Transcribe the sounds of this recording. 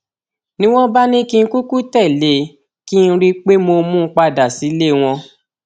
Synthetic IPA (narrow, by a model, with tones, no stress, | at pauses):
nĩ˦w̃ɔ̃˦ba˦nĩ˦kĩ˦˧˦ku˦ku˦tɛ˦˨le˨ | ki˦˧n̩˦˧ɾi˦k͡pe˦mo˧mũ˦˧˦k͡pa˧da˨si˨˦le˦˨w̃ɔ̃˧